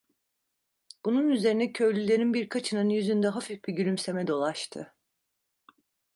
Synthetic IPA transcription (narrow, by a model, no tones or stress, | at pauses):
b̥ununyze̞ɾinɛcʰøjlʲylʲe̞ɾinbiɾkʰat͡ʃʰɯnɯnɯnjyzynd̪ɛɦafifbiɟylʲymse̞mɛd̪o̞lˠaʃt̪ʰɯ̰